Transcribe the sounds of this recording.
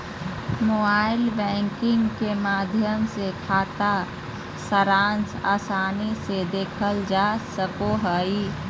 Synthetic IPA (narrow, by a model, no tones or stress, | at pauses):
mobaɪlbɛ̃ŋkɪŋɡkemaːd̪ʱjəmsekʰaːt̪a | səɾansa̰ːsaːnised̪eːkʰəld͡ʒasəkoɦəj